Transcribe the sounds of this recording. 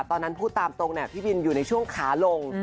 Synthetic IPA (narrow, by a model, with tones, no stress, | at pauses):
t̪ɔː˧nːa˦˥npʰuː˥˩t̪ːaː˧mt̪o˧ŋna˧˥˩pʰiː˥˩bi˧njuː˨˩na˧jt͡ɕʰu˥˩əŋkʰaː˩˦lo˧ŋ